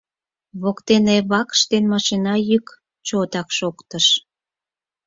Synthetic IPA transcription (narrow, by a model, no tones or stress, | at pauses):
βokt̪eneβɑkʃt̪enmɑʃinɑjyk | t͡ɕot̪ɑkʃokt̪əʃ